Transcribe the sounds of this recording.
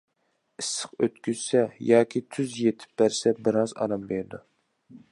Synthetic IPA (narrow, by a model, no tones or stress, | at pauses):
isːə̥qøt̪kʲyz̥sɛjɑːkʲʰit̪ʰyzjet̪ʰɪ̥p̚bæɾsɛbɨɾɑzɑ̰ɾɑmbeɾd̪u